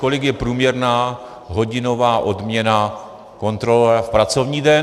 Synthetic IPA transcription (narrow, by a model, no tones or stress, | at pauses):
ko̞lɪkjɛpɾuːmɲɛɾnaː | ɦo̞ɟɪno̞vaːʔo̞dmɲɛna | ko̞nt̪ɾo̞lɛfpɾat͡so̞vɲiːdɛ